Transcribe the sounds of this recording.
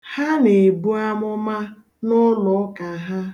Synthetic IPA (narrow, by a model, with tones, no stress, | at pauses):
ha˦ne˨bu˦a˦mʊ˦ma˦ | nɔ˦lɔ˨˦ka˨ɦa˦